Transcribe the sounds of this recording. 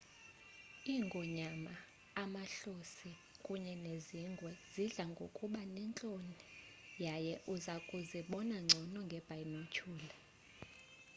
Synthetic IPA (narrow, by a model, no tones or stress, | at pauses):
iŋɡʱɔɲamaː | maɬosi | kʼuɲɛneziŋ͡ǀɡʱwɛz̥iɮaŋɡʱokʼuɓanɛnt͡ɬʼonijajɛʔuzakʼuziɓɔnaŋ͡ǀʱɔnɔŋɡʱɛb̥ʱajinocʰuːlɛ